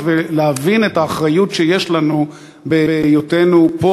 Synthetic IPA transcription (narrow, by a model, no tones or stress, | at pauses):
veleavinetaːχʁajutʃejeʃlanu | bejotenupo